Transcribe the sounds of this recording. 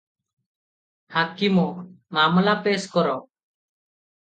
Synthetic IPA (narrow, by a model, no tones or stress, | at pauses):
haːkimɔːmaːmlapeːskɔɾɔ